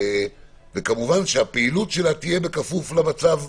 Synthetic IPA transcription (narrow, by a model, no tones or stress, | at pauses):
vekamuvanʃeapeilutʃe̞lat̪ije̞be̞kafuflamat͡sav